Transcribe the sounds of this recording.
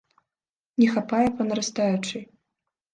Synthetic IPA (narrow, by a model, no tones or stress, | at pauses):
nʲɛxapajɛpɐnɐɾast̪ajut͡ʂɨ